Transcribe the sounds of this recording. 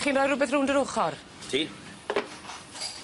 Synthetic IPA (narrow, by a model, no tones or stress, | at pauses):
χiːnrɔːjɾʊbɛθruːndəɾʊχɔr | tʰiː